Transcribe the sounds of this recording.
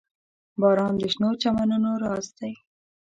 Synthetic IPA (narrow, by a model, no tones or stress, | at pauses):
bɑɾɑnd̪əʃnot͡ʃamanunoɾɑsd̪aj